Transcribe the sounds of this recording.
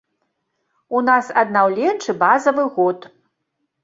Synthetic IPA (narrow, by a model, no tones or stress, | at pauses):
unasɐd̪nawlʲɛnt͡ʂɨbazɐvɨɣɔt̪